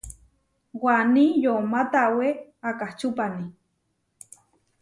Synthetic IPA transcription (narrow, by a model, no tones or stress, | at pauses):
wanijomat̪aweakaht͡ʃupani